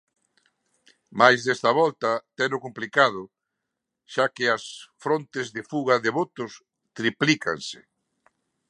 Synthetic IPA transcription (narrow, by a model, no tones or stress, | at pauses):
majzðɛst̪ɐβɔlt̪at̪ɛnʊkomplikað̞ʊ | ʃakɪɐsfɾont̪ɪzðɪfuɣaðeβot̪ʊs | t̪ɾiplika̰nsɪ̥